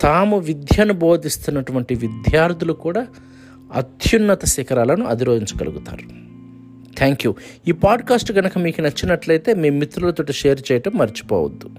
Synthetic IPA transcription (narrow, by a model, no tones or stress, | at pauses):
t̪aːmuʋid̪jɐnubo̞ːd̪ist̪unːɐʈuʋɐɳʈiʋid̪jaːɾd̪ulukuːɽaː | ɐ̰d̪junːɐt̪ɐsikɐɾaːlɐnuʔɐ̰d̪iɾoːd̪iɲt͡ʃɐ̥ɡɐluɡut̪a̰ːɾu | t̪ʰaːŋkjuːiːpaːɖkaːsʈɡɐnɐkɐmiːkunɐt͡ʃːinɐʈlɐjt̪e̞ːmeːmːit̪ːɾulɐt̪oːʈiʃeːɾt͡ʃɛːjɐʈɐmːɐɾit͡ʃi̥poːwɐ̰d̪ːu